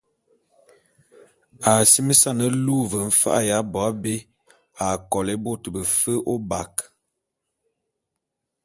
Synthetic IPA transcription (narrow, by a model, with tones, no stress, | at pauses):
a˨si˦mə˦sa˦˨nə˦lu˦˨və˨m̩˦fa̰˦ʔa̰˨ja˨˦bɔ˨a˦be˦ | a˨kɔ˨le˦bo˦tə˨bə˨fə˦ʔo˦ba˨k